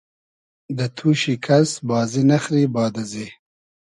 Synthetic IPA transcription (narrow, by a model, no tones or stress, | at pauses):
d̪ɐt̪ʰuːʃikʰɐsbɑːzinɐxɾiːbɑːd̪ɐze